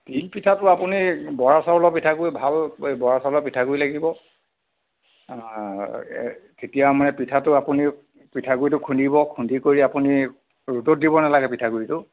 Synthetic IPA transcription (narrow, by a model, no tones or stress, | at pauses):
tilpitʰatʊapunibɔɹasalɔpitʰakuibʱalbɔɹasalɔpitʰakujilaɡibɔ | ketijamanɛpitʰatʊapuni | pitʰaɡuɹitʊkʰundibɔkʰundʱikoɹiapuni | ɹutɔt̚dibɔnalaɡɛpitʰakuitʊ